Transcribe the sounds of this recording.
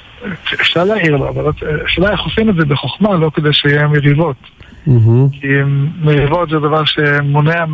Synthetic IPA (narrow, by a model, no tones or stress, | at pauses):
efʃaʁleaiʁloavalt̪aʃeːlajeχofimedzebeχoχmalo̞ked̪ejʃeijeemeʁivo̞t̪̩ | ɦ̩kimeʁivo̞t̪zed̪avaʁʃe̞moneam